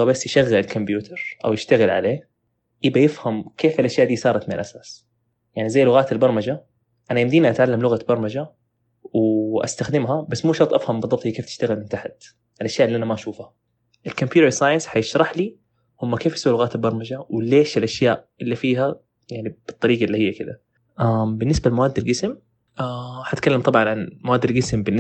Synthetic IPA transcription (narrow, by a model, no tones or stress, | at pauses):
abasːjɪʃaɣːalɪlkʊmbjuːt̪ʰɑɾˤʔa̰wjɪʃt̪aɣɪlʕa̰leː | ʔɪbajɪfhamkeːfɪlʔaʃjaːʔd̪iːsˤɑːɾˤɑt̪mɪnɪ̰lʔasaːs | jaʕnizajːlʊɣaːt̪ɪlbɑɾˤmad͡ʒa | ʔanajɪnd̪iːniʔat̪ʕalːamlʊɣabɑɾˤmad͡ʒa | wʔa̰st̪axd̪ɪmɦabasːmuːʃɑɾt̪ˤʔafhambɨðˤɑbt̪ˤikeːft̪ɪ̥ʃt̪aɣɪlmɪnt̪aħat̪ | ʔalʔaʃjaːʔɪlːiːʔanamaʔaʃuːfa | ʔɪlkampjuːɾɑɾsˤaːjɪnsħajɪʃɾˤɑħli | hʊmːakeːfjasuːlʊɣaːt̪albɑɾˤmad͡ʒawɪleːʃɪlʔaʃjaːʔʔɪlːifiːɦa | jaʕnib̥ɨt̪ˤːɑɾiːɡɑʔɪlːihɪjːakɪd̪a | ʔambɪnːɪsbalmawaːd̪ːalɡɪsm | ʔaħat̪kalːamt̪ˤɑbʕɑnʕanmawaːd̪ːalɡɪsmbɪnː